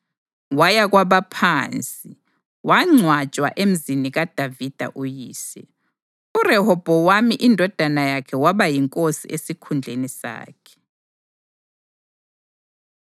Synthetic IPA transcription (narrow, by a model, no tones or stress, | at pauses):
wajaɣwaβapʰaːnt͡sʼi | waŋ͡ǀʱwat͡ʃʼwa̰ʔem̩ziniɣad̥ʱavid̥ʱa̰ʔujiːsɛ̰ | urɛhɔb̥ʱɔwamiʔindʱɔd̥ʱanajakʰɛwaβajiŋkʼosiʔesikʰund͡ɮʱenisa̰ːkʰɛ̥